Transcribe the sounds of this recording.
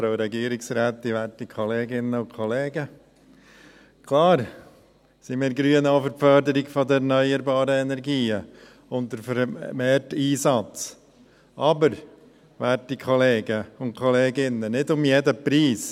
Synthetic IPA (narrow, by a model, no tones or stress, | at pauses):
fɾoʊɾɛɡiːəɾɪksɾaːt̪ːɪʋæːtikʰɔleːɡɪnːəʊnkʰɔleːɡə | kʰlɑːɾ | simɪːɾɡɾyːənɑfəɾfœɾd̪əɾɪɡfɔdəɛɾnœʏəɾbɑːɾəɛnɛɾɡiːə | ʊntdəɾfəɾmeːɾtiːsɑt͡s | ʔɑbəɾ | ʋæːtikʰɔleːɡəʊntkʰɔleːɡɪnːənɪdʊmjɛdəpɾiːs